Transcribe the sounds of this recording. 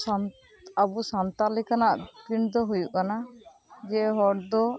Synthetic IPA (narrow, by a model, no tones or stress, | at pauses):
abusant̪alɛkanaʔpɾind̪ɔɦujuʔkana | d͡ʒɛɦɔɽd̪ɔ